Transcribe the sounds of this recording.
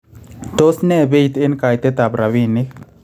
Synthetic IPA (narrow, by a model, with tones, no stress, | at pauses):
t̪o˦snɛ˦˨be˦i˨t̪e˦nka˨jt̪e˦t̪a˨bɾa˨wi˦nɪ˦